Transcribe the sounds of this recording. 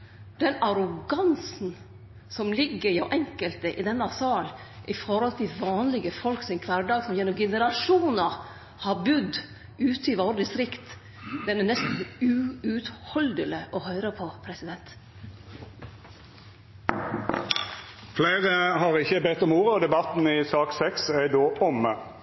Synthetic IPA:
d̪̥ɛnɑɾʊɡɑnsn̩ | sɔmlɪɡːəɾjoʔɛŋkəlt̪əʔɪd̪ɛnːɑsɑːl | ʔɪfɔɾhɔlt̪ʰɪʋɑːnlɪɡəfɔlksɪŋkʰʋæɖɑːɡsɔmjɛnːɔmɡɛnəɾɑʂuːnɑ | hɑɾbʉd̪ | ʉːt̪əɪʋɑɾd̪ɪsɾɪkt̪ | d̪ɛnːənɛst̪n̩ʉʉt̪hɔld̪ələʔɔhœʏɾəpʰɔpʰɾɛsɪd̪ɛnt̪ | fleɪʁəhɑʁɪçəbɛt̪ːɔmuːʁəɔd̪ɛbɑt̪n̩ɪsɑːksɛksæɪd̪oːʔɔmə

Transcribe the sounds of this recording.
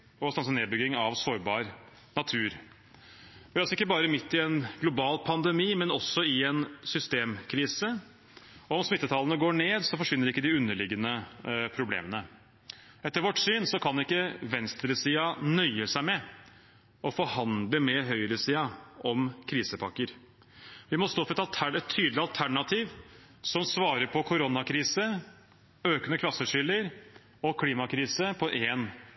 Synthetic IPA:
ɔst̪ɑnsɔneːbʏɡɪŋɑʋsoːɾbɑːɾ | nɑt̪ʰʉːɾ | ɑsɔɪkːəbɑːɾəmɪt̪ʰːɪɛnɡ̥lʊbɑːlpʰɑnd̪ɛmiːmɛnɔsːɔɪɛnsʏst̪eːmkʰɾiːsə | ɔɔmsmɪt̪ːət̪ʰɑlənəɡoːɳeːd̪sɔfɔʂʋɪnːəɾɪkːəd̪ɪʉnːəɭɪɡːənəpʰɾʊblḛːmənə | ɛt̪ːəɾʋɔʈːsyːnsɔkʰɑnɪkːəʋɛnst̪ɾəsiːɑnœʏəsæɪmɛ | ʔɔfɔɾhɑnd̪ləmɛɦœʏɾəsiːɑʔɔmkʰɾiːsəpʰɑkːəɾ | ʋɪmɔst̪oːfɾɛt̪ɑlt̪ʰæɛt̪ʰːyːd̪lɪɑlt̪ʰæɳɑt̪ʰiːʋ | sɔmsʋɑːɾəɾpʰɔkʰʊɾɔnɑkʰɾiːsə | øːkənəkʰlɑsːəʂʏlːəɾ | ɔkʰliːmɑkʰɾiːsəpʰɔʔeːn

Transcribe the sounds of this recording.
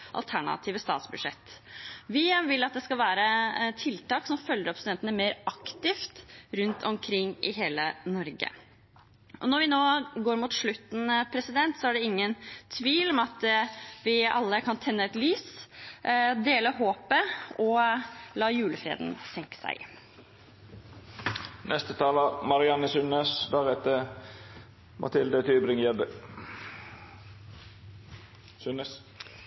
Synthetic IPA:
ʔɑ̰lt̪ʰæɳɑ̰t̪ʰiːʋəst̪ɑːt̪sbʉd̪ʂɛt̪ː | ʋɪʋɪlɑt̪̚d̪ɛskɑlʋæːɾət̪ʰɪlt̪ɑːksɔmfœljəɾpst̪ɛnt̪ənəmeːɾɑkt̪ɪft̪ɾʉnt̪ʰɔmkʰɾɪŋːʔɪɦeːlənɔɾɡə̰ | ʔɔnɔɾʋɪnoːɡoːɾmuːt̪ʂɭʉt̪n̩pʰɾɛsɪd̪ɛnt̪sɔæɖɛɪŋːənt̪ʰʋiːlɔmɑt̪ʋɪɑ̰lːəkʰɑnt̪ʰɛnːəɛt̪lyːs | d̪eːləɦoːpəɔlɑːjʉːləfɾḛːd̪n̩sɛŋkə̥sæ̰ɪ | nʔɛst̪ət̪ʰɑːləmɑɾɪɑnəsʉnəsd̪æʁɛt̪ːə | mʔɑ̰t̪ʰɪld̪ət̪ʰyːbɾɪŋjɛd̪ə | sʉnəs

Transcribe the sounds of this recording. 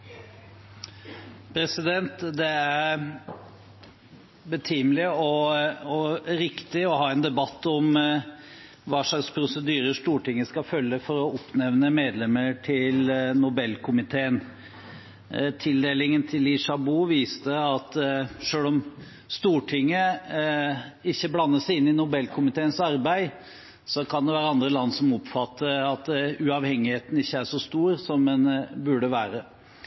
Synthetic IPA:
pʰɾɛsɪd̪ɛnt̪d̪ɛæɾ | bət̪ʰimlɪɔɔɾɪkt̪ɪɔhɑːɛːnd̪ɛbɑt̪ːɔm | ʋɑːʂɑkspʰɾʊsəd̪yːɾəʂt̪uːʈɪŋːəskɑfœlːəfɔɾɔɔpnɛʋnəmeːd̪lɛmːəʈʰɪlnʊbɛlkʰʊmɪt̪ʰeːən | t̪ʰɪld̪eːlɪŋənt̪ʰɪlɪʂɑbuːʋiːst̪əɑt̪ʂøːlɔm | st̪uːʈʰɪŋːə | ɪçːəblɑnːəʂæɪɪnːɪnʊbɛlːkʰʊmɪt̪ʰeːənsɑɾbæɪ | sɔkʰɑnd̪ɛʋæːɾəɑnd̪ɾəlɑnːsɔmɔpfɑt̪ʰːəɾɑt̪̚d̪ɛʉɑʋhɛŋːɪheːt̪n̩ɪçːəæʂɔst̪uːɾsɔmɛnbʉɖəʋæːɾə

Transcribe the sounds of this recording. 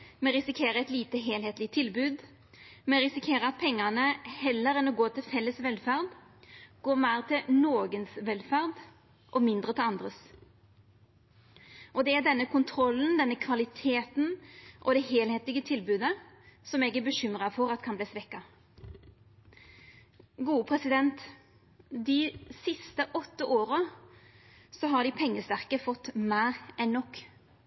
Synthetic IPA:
mɛɾʁɪsɪkʰeːɾəɛt̪liːt̪əɦeːlɦeːt̪lɪt̪ʰɪlbʉːd̪ | mɛɾɪsɪkʰeːɾəɑt̪̚pʰɛŋːɑnəhɛlːəɾɛnɔɡoːt̪ʰɪlfɛlːəsʋɛlfæʁd̪ | ɡ̥oːʁmæɪʁt̪ʰɪlnoːɡənsʋɛlfæʁd̪ | ʔɔmɪnd̪ʁət̪ʰɪlɑnd̪ʁəs | ʔɔd̪ɛæɖ̪ɛnːəkʰʊnt̪ʰɾɔlːn̩d̪ɛnːəkʰʋɑlɪt̪ʰeːt̪n̩ʔɔ̰d̪ɛɦeːlheːt̪ɪɡət̪ʰɪlbʉːd̪əsɔmɛːɡæbəɕʏmʁɑfɔɾɑt̪kʰɑnbliːsʋɛkːɑ | ɡuːəpʰʁɛsɪd̪ɛnt̪ | d̪ɪsɪst̪əʔɔt̪ːəʔoːɾə | sɔɦɑɖɪpʰɛŋːəst̪æʁkəfɔt̪ːmæːʁɛnːɔkː

